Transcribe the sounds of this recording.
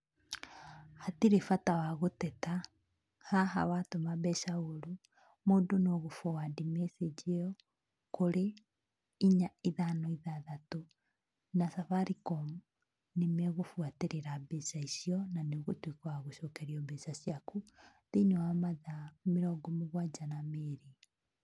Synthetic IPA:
hatiɾefatawaɣotɛta | haɦa̰watomabɛʃaoɾu | moːdonoɣofowadimesed͡ʒiɔ | koɾe | iɲaiðanɔiðaðato | nasafaɾikɔm | nemeɣofwateɾeɾabesaisiɔnaneɣotwikaaɣoʃokɛɾjɔbesasjakuðiɲoamaðamiɾɔɡɔmuɣwad͡ʒanameɾi

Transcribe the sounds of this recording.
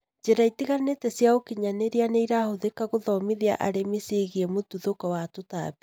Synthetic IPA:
d͡ʒeɾaitiɣaneːtɛsjaokiɲaneɾianeiɾahoðekaɣoðɔmiðia̰ʔaɾemeseɣiɛmotuðokɔwatota̰be

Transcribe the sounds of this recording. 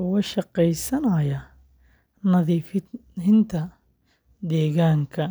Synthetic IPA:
wɐʃɑqɛjsɐnɐjɐ | nɐðiːfɪnt̪ʰɐ | d̪ɛːɣaːŋkʰɐ

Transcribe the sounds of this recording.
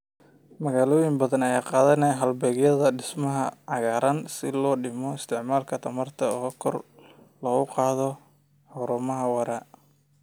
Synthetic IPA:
mɐɣaːlɔːjɪŋbɐðɐnɐjaːqɑːðɐnɛːɦɐlbɛːɣjɐðɐɖɪsmɐɦɐʕɑɣaːɾɐnsɪlɔːɖɪmɔɪst̪ʰɪʕmaːlkʰɐt̪ʰɐmɐrt̪ʰɐɔːkʰɔ̰r | lɔɣʊqɑːðɔ | ħʊɾʊːmɐɦɐwɐɾa

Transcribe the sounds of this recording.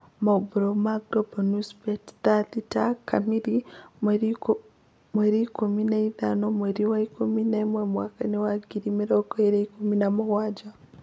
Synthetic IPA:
mabuɾomaɡɾobonuspett̪aðitakʰa̰miɾi | mweɾikuminaiða̰nomweɾiwaikuminaimwemwaːkanewaɡiɾimiɾɔɡɔeɾeikuminamuwaːd͡ʒa

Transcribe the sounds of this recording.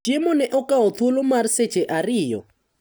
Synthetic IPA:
emɔnɛʔɔkaɔt̪ʰulomarset͡ʃeʔaɾɪjɔ̰

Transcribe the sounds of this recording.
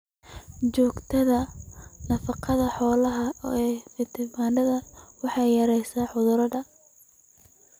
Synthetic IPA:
t͡ʃɔːɡt̪ʰɐðɐnɐfɑqʰɑðɐħɔːlɐɦɐ | ɪt̪ʰɪmaːnɖɐðɐwɑħɑjɐɾɛjsaːħʊðʊɾɐɖɐ

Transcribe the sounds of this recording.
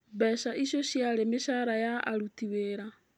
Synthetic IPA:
bɛʃaʔiʃjoʃjaɾemeʃaɾajaʔa̰ɾutiweːɾa

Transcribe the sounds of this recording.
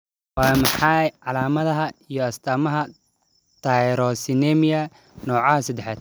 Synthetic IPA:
waːmɑħɑjʕɑlaːmɐðɐɦɐijɔɐst̪ʰaːmɐɦɐ | t̪ʰaɾɔsɪnɛmɪjɐ | nɔːʕɑhɐsɐd̪ɛħa̰ːd̪̚

